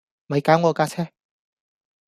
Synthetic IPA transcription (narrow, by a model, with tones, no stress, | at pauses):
mɐ˨˧jkaː˨˥wŋɔː˨˧kaː˥t͡sʰɛː˥